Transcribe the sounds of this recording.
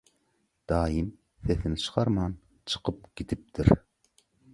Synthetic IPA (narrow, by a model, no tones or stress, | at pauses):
d̪̥ɑːjim | θeθɪnt͡ʃʰɨ̥qɑɾmɑn | t͡ʃʰɨ̥qʰɯp̚ɡ̥ʲit̪ʰɪp̚t̪ʰɪɾ